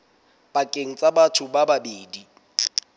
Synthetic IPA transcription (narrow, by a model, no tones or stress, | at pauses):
bakʼeŋ̩t͡sʼabatʰʊbababeːdi